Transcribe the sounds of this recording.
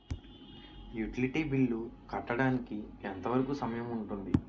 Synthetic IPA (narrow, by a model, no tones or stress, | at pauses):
juʈiliʈiːbiɭːukɐʈːɐɽaːnikient̪ɐʋɐɾɐkusɐmɐjɐmuɳʈund̪i